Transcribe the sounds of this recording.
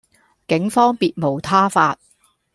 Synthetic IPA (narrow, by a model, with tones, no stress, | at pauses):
kɪ˨˥ŋfɔː˥ŋpiː˧t̚mo˨˩wt̪ʰaː˥faː˧t̚